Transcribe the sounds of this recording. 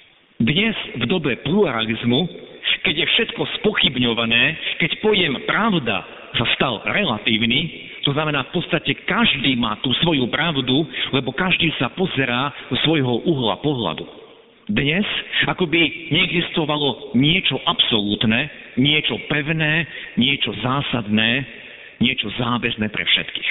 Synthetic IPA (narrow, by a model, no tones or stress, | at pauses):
d̪ɲɛz̥vd̪ɔbɛpluɾalizmukɛɟjɛfʃɛt̪kɔspɔxibɲɔʋanɛːkɛcpɔjɛmpɾaʊd̪a̰ | sast̪alɾɛlat̪iːʊniː | t̪ɔznamɛnaːfpɔt̪st̪acɛkaʒd̪iːmaːt̪uːsʋɔjupɾaʊd̪ulɛbɔkaʒd̪iːsapɔzɛɾaːd̪ɔsʋɔjɦɔʔuɦla̰pɔɦla̰d̪u | d̪ɲɛzakɔbiɲɛɛɡzist̪ɔʋalɔɲɪɛt͡ʃɔʔapsɔlut̪nɛːɲɪɛt͡ʃɔpɛʊnɛːɲɪɛt͡ʃɔzaːsad̪nɛː | ɲɪɛt͡ʃɔzaːʋɛznɛːpɾɛ̰fʃɛ̰t̪ki̥ːx